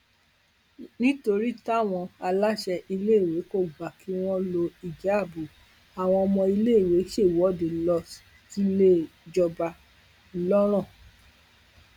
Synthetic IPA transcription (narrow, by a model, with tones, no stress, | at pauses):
nĩ˦to˧ɾi˦ta˦˨w̃ɔ̃˧a˧la˦ʃɛ˧ʔi˧le˦˨we˨˦ko˦˨ɡ͡ba˨ki˧˦w̃ɔ̃˦lo˧i˨d͡ʒa˨˦˨bu˨ | a˨w̃ɔ̃˧ɔ˧mɔ̃˧i˧le˦i˨we˨˦ʃe˦˨wɔ˨˦˨de˨lɔ˧s | ti˦le˦˨d͡ʒɔ˧ba˧ | lɔ˦ɾ̃ɔ̃˦˨